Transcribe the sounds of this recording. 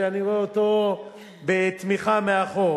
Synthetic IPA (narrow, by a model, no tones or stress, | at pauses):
anioeot̪o | bet̪miχameaχo